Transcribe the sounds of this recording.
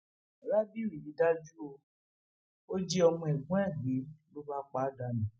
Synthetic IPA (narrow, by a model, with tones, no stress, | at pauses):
ɾa˦bi˦˨ɾi˨i˨˦da˦d͡ʒu˦o˧ | o˦d͡ʒi˦ɔ˧mɔ̃˧ɛ˨ɡ͡bũ˦ɛ˦˨ɡ͡be˨˦lo˦ba˦k͡pa˦da˧˨nĩ˨˦